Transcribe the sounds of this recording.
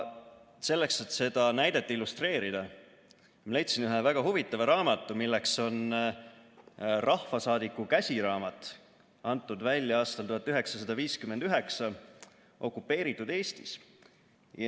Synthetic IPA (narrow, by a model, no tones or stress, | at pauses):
se̞lːekse̞t̪se̞d̪̥ɑnæjd̪̥et̪ːilːust̪re̞ːɾid̪̥ɑ | mɑlejt̪sinyɦevæɡ̥ɑɦuvit̪ːˑɑvɑɾɑːmɑt̪ːˑumilːekso̞n | rʔɑhfɑsɑːd̪ikːˑukæsʲiɾɑːmɑt̪ˑ | ɑnt̪ːˑud̪vælʲːjɑɑːst̪ɑlt̪uɦɑt̪ːˑyɦe̞ksɑsɑd̪̥ɑviːskymend̪̥yɦe̞ksɑ | ʔo̞kːupːe̞ːɾit̪ːˑud̪e̞ːst̪is | j